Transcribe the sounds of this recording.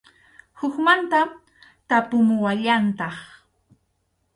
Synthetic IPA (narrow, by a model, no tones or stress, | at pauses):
hʊkmant̪am | t̪apʊmʊwaʎant̪ɑχ